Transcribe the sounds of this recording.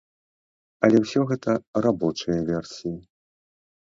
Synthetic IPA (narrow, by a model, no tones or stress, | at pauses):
ɐlʲɛwsʲɔɣɛt̪ɐrabɔt͡ʂɨjɐvʲɛrsʲiji